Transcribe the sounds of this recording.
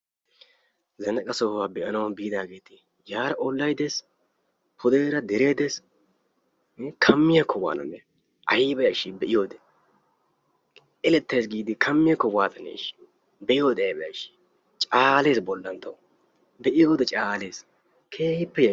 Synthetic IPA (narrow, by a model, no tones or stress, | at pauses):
zɐnɐkʼɐsowaːbɛʔɐnɐwbiːd̪aːɡe̞ːt̪ɪ̥ | jaːɾɐʔɔlːɐjd̪es | pʰʊd̪eːɾɐd̪ɛɾe̞ːd̪es | kʰɐmːɪjɐkʰːɔwa̰ːnɐ̰nːɛ | ʔɐ̰jiːbɐjɐʃibɛʔɪjoːd̪ɛ̥ | ɛlɛt̪ːeːsɡiːd̪ɪkʰɐmːɪjɐkːɔwaːt̪ɐnːḛːʃ | bɛʔɪjoːd̪ɛbɛjɐ̰ʃi̥ | t͡ʃʼaːle̞ːsbɔlːɐnt̪ɐw | bɛʔɪjoːd̪ɛt͡ʃʼaːle̞ːs | kʰeːhɪpːɛjɐ